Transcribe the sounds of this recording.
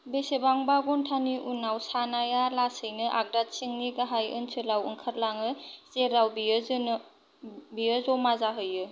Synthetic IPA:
besebaŋbaɡɔntʰaniʔunawsanajalasɯjnɯʔaɡ̚dat̚siŋniɡaɦajɯnsʰɯlawɯŋkʰaɾlaŋɯzeɾawbiɯzn | bijəzɔmazaɦɯjɯ

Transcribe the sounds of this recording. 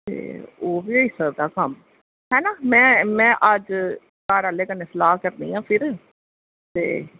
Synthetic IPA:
t̪ḛːoːbiːoiːsəɾd̪aːkəm | ɦɛːnaːmɛ̃ːmɛ̃ːʔəd͡ʒ | kaːɾaːleːkəneːsəlaːɦkəɾd̪ḭːɦãːpʰɪɾ | t̪ḛː

